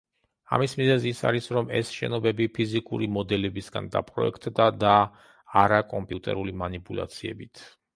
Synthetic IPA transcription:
a̰mismizɛziːsa̰ɾisɾɔmɛ̰sʃɛnɔbɛbipʰizikʼṵɾimɔd̪ɛlɛbisɡa̰nd̪a̰pʰʼɾɔ̰ɛkʰt̪ʼd̪ad̪aː | ɾakʼɔmpʼjut̪ʼɛ̰ɾulimanipʼulˠa̰t̪sʰiɛbit̪ʰ

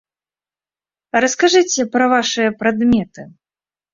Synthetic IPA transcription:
ɾɐskaʐɨt͡sʲɛpɾɐvaʂɨjɐpɾad̪mʲɛt̪ɨ

